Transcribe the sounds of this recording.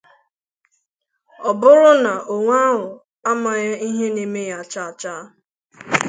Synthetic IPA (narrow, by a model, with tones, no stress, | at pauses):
ɔ˨bʊ˦ɾʊ˦na˨ʔo˨ŋʷa˦ɦʊ˨ | a˦ma˨ɣa˦i˦ɦe˦ne˨me˦ja˨t͡ʃa˦a˨t͡ʃa˦